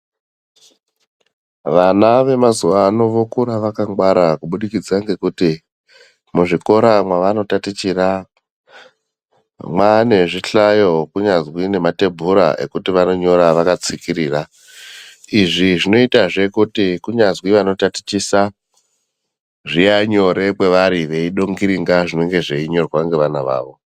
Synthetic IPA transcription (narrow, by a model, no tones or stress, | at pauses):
ʋanaʋe̞mazuʋaːno̞ʋokuɾaʋakaŋɡwaɾakuɓuɗikid͡zaŋɡe̞kuti | muʐiko̞ɾamwaʋano̞tatit͡ʃira | mwane̞ʐiɬajo̞kuɲazwine̞mate̞bʱuɾa̰e̞̰kutiʋano̞ɲo̞ɾaʋakat͡sikiɾiːra | iʐiʐino̞itaʐe̞kutikuɲazwiʋano̞tati̥t͡ʃisa | ʐijaɲo̞ɾe̞kwe̞ʋaɾiʋe̞iɗoŋɡiɾiŋɡaʐino̞ŋɡe̞ʐe̞iɲo̞rwaŋɡe̞ʋanaʋa̰ːʋo̞